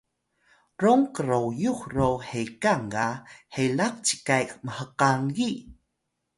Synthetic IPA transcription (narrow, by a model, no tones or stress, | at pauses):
roŋkəɾowjuxrowhekaŋɡahelaq̚t͡ɕi̥kajkməhəqaŋɡi